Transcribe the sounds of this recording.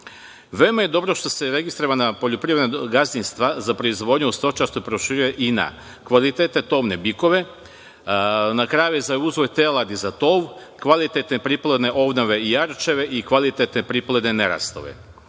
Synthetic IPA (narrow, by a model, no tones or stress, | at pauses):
ʋe̞omajed̪o̞bɾo̞ʃt̪o̞se̞ɾeɡist̪ɾoʋanapo̞ʎopɾienaɡazinst̪ʋazapɾoizʋod̪ɲeust̪ot͡ʃast̪opɾoʃiɾujeʔina̰ | kʋalit̪et̪ne̞t̪o̞ʋne̞biko̞ʋe̞ | nakɾaːjjujezauzʋojt̪elad̪izat̪oːʋ | kʋalit̪et̪nepɾiplˠed̪ne̞ʔo̞bnoʋe̞ijaɾt͡ʃe̞ʋe̞ʔikʋalit̪et̪nepɾiplˠed̪neneɾa̰st̪o̰ʋḛ